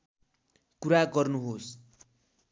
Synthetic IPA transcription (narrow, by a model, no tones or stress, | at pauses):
kuɾaɡʌrnuɦos